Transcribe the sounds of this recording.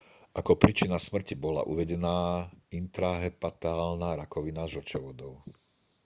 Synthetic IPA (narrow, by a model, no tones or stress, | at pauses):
ʔakɔpɾit͡ʃinasmr̩cibɔla̰ʔuʋɛɟɛnaːint̪ɾaɦɛpat̪aːlnaɾakɔʋinaʒɔt͡ʃɛʋɔd̪ɔʊ